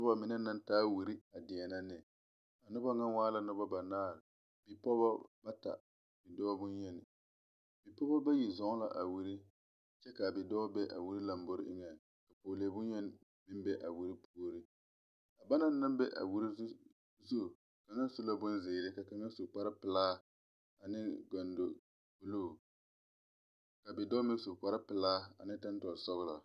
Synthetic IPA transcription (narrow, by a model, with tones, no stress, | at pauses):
nʊ˦ba˦mɪ˨na˦na˦ntaː˦wi˨ɾi˦a˨dɪ˨ɛ˨na˦nɪ˨ | a˨nʊ˦ba˦ŋa˦nwaː˦la˦nʊ˦ba˦ba˨naː˦˨ɾɪ˨ | bi˨pɔ˦ba˦ba˦ta̰˨ | bi˨dɔ˦bʊ˦njɛ˦nɪ˨ | bi˨pɔ˦ba˦ba˦ji˨zɔ˨˦ŋ˦la̰˨ʔa˨wi˨ɾi˦ | t͡ʃɛ˦ka˨bɪ˨dɔː˦bɛ˦ʔa̰˨wu˦ɾi˦la˨mbo˦ɾɪ˦ʔɪ˦ŋɛ˨ | ka˨poː˨leː˨˦bʊ˦nɲɛ˦n˦ | mɪ˦m˦bɛ˦ʔa˨wi˦ɾi˦pʰu˦o˦ɾi˦ | ka˨ba˦na˦na˦m˦bɛ˦ʔa̰˨wu˦ɾi˦ | zu˦˨ | ka˨na˦su˦la˦bʊ˦nzɪː˨ɾɪ˦ka˨ka˨ŋa˦su˨k͡pa˦ɾɪ˦pɪ˨laː˦ | a˨nɪ˦ɡɔ˨ndo˨ | bu˨loː˦˨ | ka˨bɪ˨dɔː˦mɪ˦su˨k͡pa˦ɾa˦pɪ˨laː˦a̰˨nɪ̃˦ta˦n˦tɔ˨ɾsɔ˦ɣla̰˨